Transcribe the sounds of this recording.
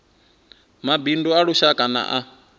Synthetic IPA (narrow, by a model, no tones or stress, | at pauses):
mabinduaɺuʃakʼana̰ʔa